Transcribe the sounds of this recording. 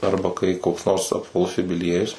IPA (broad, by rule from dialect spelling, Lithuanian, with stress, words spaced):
ˈɐrbɐ kɐɪ koːks noːrs ɐpʋɐˈlˠʊs jʊbʲɪˈlʲiɛjʊs